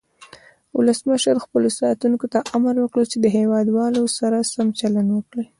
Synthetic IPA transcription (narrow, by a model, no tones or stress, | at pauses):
wʊləsməʃəɾxpəlosɑt̪uŋkot̪aʔamaɾwəkɽət͡ʃed̪əɦewɑd̪wɑlosaɾasamt͡ʃalanwəkɽi